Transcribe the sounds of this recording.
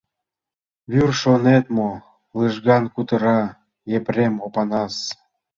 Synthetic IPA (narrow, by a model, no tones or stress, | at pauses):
βyrʃonet̪mo | lɨʒɣɑnkut̪əɾɑ | jepremopɑnɑs